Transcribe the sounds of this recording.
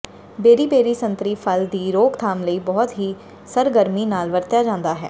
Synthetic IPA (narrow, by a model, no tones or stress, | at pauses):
beːɾiːbeːɾiːsə̃nt̪ɾiːpʰəld̪iːɾoːkt̪ʰaːmləiːbɔːt̪ɦiː | səɾɡəɾmiːnaːlʋəɾt̪jaːd͡ʒãːnd̪aːɦɛ̰ː